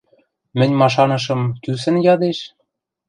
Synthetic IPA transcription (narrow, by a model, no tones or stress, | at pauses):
mɘ̆nʲmɑʃ̬ɑnɤ̆ʃ̬ɤ̆mkysɘ̆njɑd̪eʃ